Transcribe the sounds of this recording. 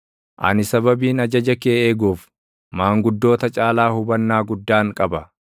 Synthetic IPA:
ʔɐ̰nɪsɐbɐbiːnɐd͡ʒɐd͡ʒɐkeːeːɡuːf | maːŋɡʊd̪ːo̞ːt̪ɐt͡ʃʼaːlaːhʊbɐnːaːɡʊd̪ːaːŋkʼɐbɐ

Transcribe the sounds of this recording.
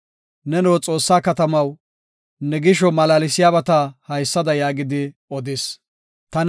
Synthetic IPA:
nɛnowt͡sʼo̞ːsːaːkɐt̪ɐmɐw | nɛɡɪʃ̬ɔmɐlaːlɪsɪjaːbɐt̪ɐhɐjsːɐd̪ɐjaːɡɪd̪ɪ | ɔd̪ɪs | t̪ɐn

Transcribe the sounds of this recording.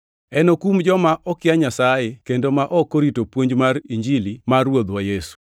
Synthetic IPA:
ɛnokumd͡ʒɔmaʔɔkɪaɲasajekendomaʔɔkːoɾitopwoɲd͡ʒmaɾiɲd͡ʒilimarwod̪wajesu̥

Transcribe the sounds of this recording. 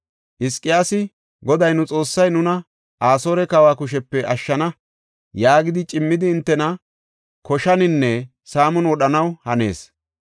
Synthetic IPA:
ʔɪskʼːɪjaːsɪ | ɡɔd̪ɐjnʊt͡sʼo̞ːsːɐjnʊnɐ | ʔaːso̞ːɾɛkɐwaːkʊʃ̬ɛpːɛʔɐʃːɐnɐ | jaːɡɪd̪ɪt͡ʃʼɪmːɪd̪ɪːnt̪ːɛnɐ | kɔʃɐnɪnːɛ | saːmɔnwɔɗɐnɐwhɐne̞̰ːs

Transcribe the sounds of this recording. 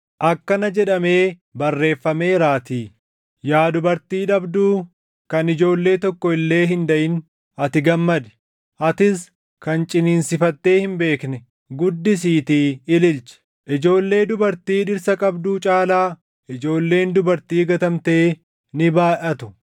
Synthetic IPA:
ʔɐkːɐnɐd͡ʒɛᶑɐme̞ː | bɐrːe̞ːfːɐme̞ːɾaːt̪iː | jaːd̪ʊbɐɾt̪iːᶑɐbd̪uː | kɐnɪd͡ʒo̞ːlːe̞ːt̪ɔkːɔɪlːe̞ːɦɪnd̪ɐʔɪn | ɐt̪ɪɡɐmːɐd̪ɛ̥ | ʔɐt̪ɪs | kɐnt͡ʃʼɪniːnsɪfɐt̪ːe̞ːhɪmbe̞ːknɛ | ɡʊd̪ːɪs̬iːt̪iːɪlɪlt͡ʃɛ̥ | ʔɪd͡ʒo̞ːlːe̞ːd̪ʊbɐɾt̪iːᶑɪɾsɐkʼɐbd̪uːt͡ʃʼaːlaː | ɪd͡ʒo̞ːlːe̞ːnd̪ʊbɐɾt̪iːɡɐt̪ɐmt̪e̞ː | nɪbaːʔɐt̪ʊ̥

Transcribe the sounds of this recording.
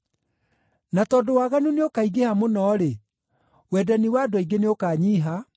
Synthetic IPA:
natɔːdowaɣanuneokaiɡehamonɔːɾe | wɛdaniwadwɔiɡeneokaːɲiːɦa

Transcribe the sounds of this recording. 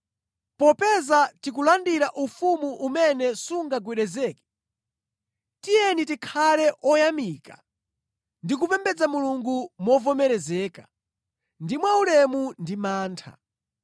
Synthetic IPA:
pɔpɛzatik̬ulandiɾaʔufumuʔumɛnɛsuŋɡaɡwɛɗɛzɛːkɛ̥ | tijɛnitikʰalɛʔɔjamiːka | ndik̬upɛmbɛd͡zamuluŋɡumɔvɔmɛɾɛzɛːka | ndimwaulɛmundimaːntʰa̰

